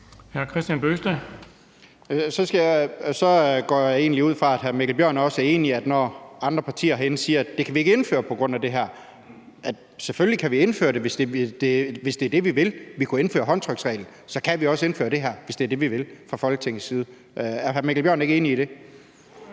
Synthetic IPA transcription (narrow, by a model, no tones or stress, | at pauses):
hæɐkʰʁɛsd̥jænb̥øsd̥ə | sɒ̽sɡ̥æjsɒ̽ɡ̥ɒ̰ːje̝̰ːnliuð̞̰ˠfʁɑ̈æd̥ɦæɐmeɡ̥l̩bjɶɐ̰næɐɒ̽sæɐe̝ːniæd̥nɒɑ̈nd̥ʁɐpʰɑ̈t͡sʰḭːɐɦenəsiːɐæd̥ːe̝kʰæʋie̝ɡ̥əe̝nfø̰ːɐpʰɒ̽ɡ̥ʁɔ̽n̰æd̥e̝ɦæɐ̰ | æd̥seføllikʰæʋie̝nfø̰ːɐɾ̥e̝ʋe̝sd̥e̝d̥e̝ʋe̝sd̥eæɐd̥e̝ʋiʋe̝lʋikʰue̝nfø̰ːɐɦɒ̽nt͡sʰʁœɡ̥sʁɛ̰ɪln̩sɒ̽kʰæʋiɒ̽səe̝nfø̰ːɐɾ̥e̝ɦæɐ̰ʋe̝sd̥e̝æɐd̥e̝ʋiʋe̝lfʁɑ̈fɒ̽lɡ̥ət͡sʰeŋ̰̩sːiːð̞̩ˠ | ʔæɐɦæɐmæɡ̥l̩b̥ɶɐne̝ɡəe̝̰ːniːɾ̥e̝